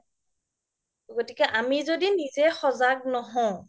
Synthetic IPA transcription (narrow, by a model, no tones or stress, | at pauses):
ɡotikɛʔamizodinizɛxɔzak̚nɔɦɔ̃